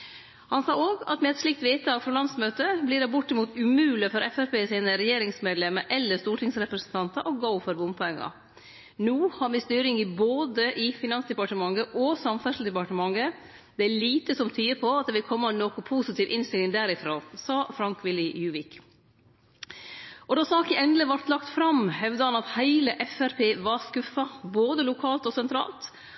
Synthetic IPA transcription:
hɑnsɑːoːɡɑ̰t̪mɛɛt̪sʂlɪk̚t̪ʋeːt̪ːɑːɡfɾɔlɑnd̪smøːt̪əbliːɖɑbʊʈːɪmuːt̪ʉmʉːlɪfɔɾʔɛfɛfpeːsiːnəɾɛjeːɾɪŋsmeːd̪lɛmːəɾʔɛlːəst̪uːʈʰɪŋsɾɛpɾəsnt̪ʰɑnt̪əʔɔɡɡoʊfɔɾʋʊmpʰɔɛŋːɑ̰ | nuːhɑɾmɛst̪yːɾɪŋɪboːd̪əʔɪfɪnɑnsd̪ɛpɑʈəmɑŋːəʔɔsɑmfœʂl̩d̪ɛpɑʈəmɑŋːə | d̪ɛæɭiːt̪əsɔmt̪ʰyːəpʰɔɑt̪̚d̪ɛʋɪlkʰɔmːɑɛnːokʊpʰuːsɪt̪ʰiːʋʔɪnst̪ɪlɪŋd̪æɾɪfɾoːsɑːfɾɑŋkʋɪlɪjʉːʋɪk | ʔɔd̪ɑsɑːkəɛnd̪ləʋɑɾt̪lɑkt̪fɾɑmhɛʋd̪əhɑnɑt̪hæɪləʔɛfæɾpʰeːʋɑɾskʉfːɑboːd̪əlʊkʰɑːlt̪ɔsɛnt̪ʰɾɑ̰ːlt̪

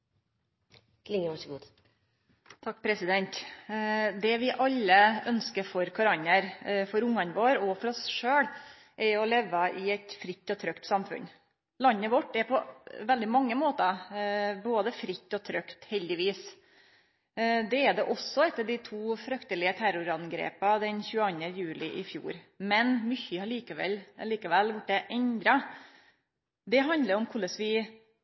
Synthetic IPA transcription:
lɪŋəʋɑʂɡuːd̪ | t̪ʰɑk̚ːpʰɾɛsɪd̪ɛnt̪ | d̪ɛʋɪʔɑlːəœnskəɾfɔɾkʰɑɾɑɲəɾfɔɾʊŋːɑnʋoːɾɔfɔɾɔsʂøːɽ | ʔɛɾɔleːʋːəʔɪɛt̪fɾɪt̪ːɔt̪ʰɾœkt̪sɑmfʉ̰n | lɑnːəʋɔʈːɛɾpʰɔʋɛld̪ɪmɑŋːəmoːt̪ə | boːd̪əfɾɪt̪ːɔt̪ʰɾœkt̪hɛld̪ɪʋiːs | d̪ɛɛɖ̪ɛʔɔsːɔɛt̪ːəɖɪt̪ʰuːfɾœkt̪əlɪət̪ʰæɾʊɾɑnɡɾḛːpɑd̪ɛnçʉːɑnəjʉːlɪʔɪfjṵːɾ | mɛnmʏçəɑɭiːkəʋɛ̰lliːkəʋɛlːʋʊʈːɛʔɛnd̪ɾɑ | d̪ɛɦɑnd̪ləɾɔmkʰʊɭəsʋɪ

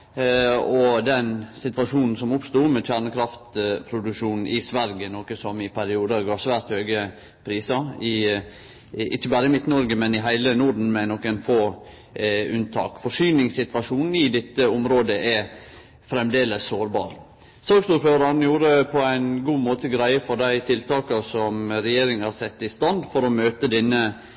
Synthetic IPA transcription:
ɔd̪ɛnsɪt̪ʋɑʂuːnn̩sɔmʊpst̪uːmɛc͡çæːɳəkʰɾɑft̪pʰɾʊd̪ʉʂuːnn̩ʔɪsʋæɾɡənɔkəsɔmɪpʰæɾɪuːd̪əɾɡɑːsʋæːɾt̪høːɡə | pʰɾiːsɑɪ | ɪçːəbæːɾəɪmɪt̪ːnɔɾɡəmɛnɪɦæɪlənuɖɳn̩mɛænɔkːænfoː | ʉnt̪ʰɑ̰ːkfɔʂyːnɪŋsɪt̪ʋɑʂuːnn̩ɪd̪ɛt̪ːəɔmɾoːd̪əʔɛ | fɾɛmd̪eːləsːoːɾbɑ̰ːɾ | søːɡsuːɾføːɾɑn̩juːɾəpʰɔæɪnɡuːmoːt̪əɡɾæɪəfɔɾɖ̪æɪt̪ʰɪlt̪ɑːkəsɔmɾɛjeːɾɪŋhɑɾsɛt̪ːɪst̪ɑnd̪fɔɾɔmøːt̪əd̪ɛnːə

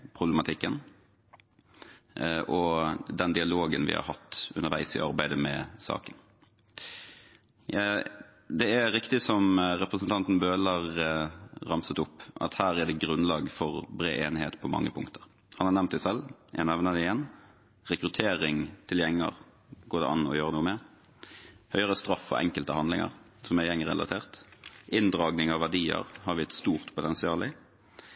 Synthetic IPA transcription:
pʰʁʊbləmɑt̪ʰɪkːən | ʔɔd̪ɛnd̪ɪɑloːɡənʋɪ̰hɑ̰ɾhɑt̪ːʉ̰nəɾʋæ̰ɪsɪ̰ʔɑɾbæɪd̪əmɛ̰sɑ̰ːkən | d̪ɛæɾɪkt̪ɪsɔmɾɛpʁəsənt̪ʰɑnt̪n̩bøːlɑʁ | ʁɑmsət̪ʊpːʔɑ̰t̪hæːɾæɖ̪ɛɡɾʉnlɑːɡfɔʁbɾḛːʔeːnheːt̪pʰɔmɑ̰ŋːəpʰʊŋkt̪ʰəʁ | hɑnhɑʁnɛmnt̪d̪æsɛljʔæ̰næʋnəd̪ɪjɛn | ʁɛkɾʉt̪ʰeːɾɪŋt̪ʰɪljɛŋːə̰ʁ | ɡoːd̪ɛ̰ʔɑnɔ̰jøːɾənuːəmɛ | hœʏəɾəst̪ɾɑfːɔ̰ʔɛ̰ŋkəlt̪əhɑnd̪lɪŋɑ̰ʁ | sɔmæjɛŋːɾɛ̰lɑ̰t̪ʰeːʁt̪ʔɪnd̪ʁɑːɡnɪŋɑʋʋæɖiːə̰ʁhɑɾʋɪɛt̪st̪uːʁt̪pʰʊt̪ɛnsɪɑːlɪ

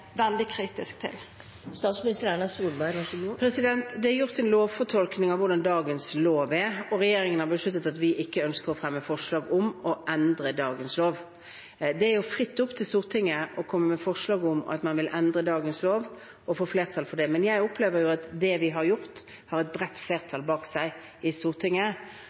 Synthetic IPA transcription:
ʋɛld̪ɪkʰɾiːt̪ɪsk̚t̪ʰɪ̰l | st̪ɑːt̪smɪnɪst̪əɾæɳɑsuːlbæɪʋɑʂɡpʰɾɛsɪd̪ɛnt̪d̪ɛɛɾjʊʁt̪ɛnloːʋfɔʈ̪ʰɔlknɪŋɑʋʊʁd̪ɑnd̪ɑːɡənsloːʋɪɛɔʁɛjeːɾɪŋənhɑbəʂlʉt̪̬ːət̪ɑt̪ʋɪʔɪkːəœnskəʁɔfɾɛmːəfɔʂɭɑːɡʊmɔʔɛnd̪ʁəd̪ɑːɡənsloːʋ | d̪ɛæɾjʊfʁɪt̪ːʊpːt̪ʰɪlst̪uːʁt̪ʰɪŋːəʔɔkʰɔmːəmɛfɔʁʂlɑːɡʊm̰ɑ̰t̪mɑnʋɪlʔɛnd̪ʁəd̪ɑːɡənsloːʋ | ɔfoːfleːʁt̪ʰɑlfɔɖɛmɛnjæɪʊpʰleːʋəɾjʊɑt̪d̪ɛʋɪɦɑʁjʊʁt̪ | hɑʁɛt̪̚bʁɛt̪ːfleːʁt̪ʰɑlbɑːksæɪ | ɪst̪uːʁt̪ʰɪŋːə

